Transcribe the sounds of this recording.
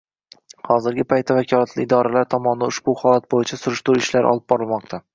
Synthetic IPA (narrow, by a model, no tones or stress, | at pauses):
hɒzɪɾɡʲɪpʰajt̪ːavakʲʰɒlˠat̪ʰlɪɪd̪ɒɾalaɾt̪ʰɒmɒnd̪aʊʃbʊhɒlat̪̚bojɪt͡ʃʰasʊɾɪʃt̪uɾɪʃlaɾʔɒ̰lˠɪb̚bɒɾɪlˠmɒq̚t̪ʰa